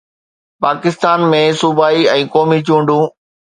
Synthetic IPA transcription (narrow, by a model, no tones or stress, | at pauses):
paːkɪst̪aːnmẽsubʱaːiɛ̃ːkɔːmit͡ɕũːɳɖũː